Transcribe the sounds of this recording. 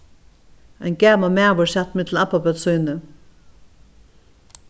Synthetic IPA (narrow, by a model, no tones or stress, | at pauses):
ajnɡæːmamæːʋʊɹsɛt̪mɪt̪l̩apːapœt̪sujnə